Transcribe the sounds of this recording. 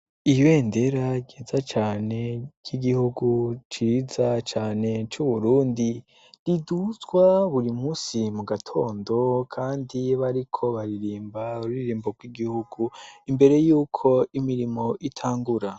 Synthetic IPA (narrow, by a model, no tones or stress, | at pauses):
ijwe̞ːnde̞ɾaɟeːzat͡ʃaːne̞ɟ̥iɡihuɡut͡ʃiːzat͡ʃaːne̞t͡ʃuβuɾuːndi | ɾidut͡sɡwaβuɾimuːsimuɡatʰo̞ːndo̞kʰaːndiβaɾikʰo̞βaɾiɾiːmbauɾiɾiːmboɡwiɡihuɡ̥uimbe̞ɾe̞juːkʰo̞imiɾimo̞ʔitʰaːŋɡuɾa